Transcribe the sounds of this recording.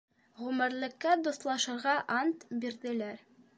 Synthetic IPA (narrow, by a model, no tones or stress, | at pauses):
ʁʉmɘ̆ɾlɘ̆kːæd̪ŏslˠɑʃɤ̆ɾʁɑʔɑnt̪biɾd̪ɘ̆læɾ